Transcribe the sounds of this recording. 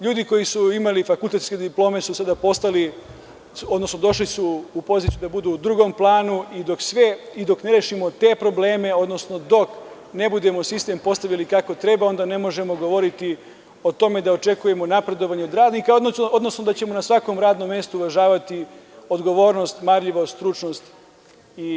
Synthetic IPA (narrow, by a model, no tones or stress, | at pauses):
ʎuːd̪iko̞jisuimalifakulˠt̪e̞t̪ske̞d̪iplo̞ːme̞susad̪apo̞st̪ali | od̪no̞sno̞d̪o̞ʃlisuːpo̞zit̪ijud̪abud̪uːd̪ɾuɡo̞mplˠaːnuid̪oksʋeid̪o̞kne̞ɾeʃimo̞t̪e̞pɾo̞bleːme̞o̞d̪no̞sno̞d̪o̞k | ne̞bud̪e̞mo̞sist̪e̞mpo̞st̪aʋʎalikako̞t̪ɾe̞bao̞nd̪ane̞mo̞ʒe̞mo̞ɡo̞ʋo̞ɾit̪i | o̞t̪o̞me̞d̪aot͡ʃe̞kuje̞mo̞napɾe̞d̪o̞ʋaɲeod̪ɾaːd̪nikaood̪no̞sno̞d̪at͡ɕe̞mo̞nasʋako̞mɾaːd̪nomːje̞st̪uːʋaʒaːʋat̪i | o̞d̪ɡo̞ʋo̞ːɾno̞st̪maɾʎiʋost̪ɾut͡ʃnost̪ | i